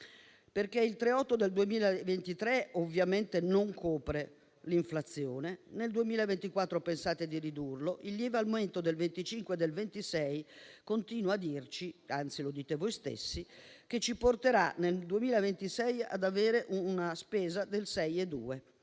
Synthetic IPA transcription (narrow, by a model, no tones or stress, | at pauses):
perkeilt̪ɾeɔt̪ːod̪eld̪uemiːlavent̪it̪ɾeovːjament̪enoŋkʰoːpɾe | liɱflat̪sːjoːneneld̪uemiːlaevent̪ikwat̪ːɾopensaːt̪ed̪iɾid̪urloʔilːjɛːvealmoment̪od̪elvent̪it͡ʃiŋkwed̪ːelvent̪isɛjkont̪iːnwad̪ːirt͡ʃiant̪silod̪iːt̪evojst̪ḛsːik̟et͡ʃːiport̪eɾaneld̪uemiːlaevent̪isɛja̰d̪aveːɾeʔunaspeːzad̪elsɛjed̪ṵːe